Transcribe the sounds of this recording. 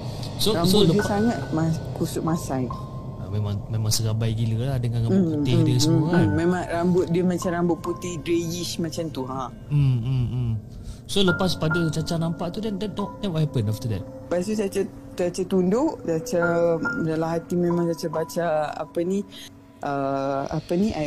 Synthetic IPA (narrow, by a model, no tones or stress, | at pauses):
soɾambsolədiəsaŋat̪̚makusʊʔ̚masaj | amẽmãŋmemãŋsəɡabajɡiləlahdəŋãnauɪdiisəmuamemãŋɾambʊt̪̚diəmãt͡ʃamɾambʊʔ̪̚put̪ihdɾejiʃmat͡ʃant̪uɦã | m̩m̩m | soləpaspadət͡ʃat͡ʃanampaʔt̪udɛndɛtnɔʔnamhɦɛpənaft̪ədɛt̚ | basusat͡ʃa | tat͡ʃat̪undʊʔsat͡ʃadalaɦat̪imẽmãŋsat͡ʃabat͡ʃaa̰pəni | ʔəa̰pənia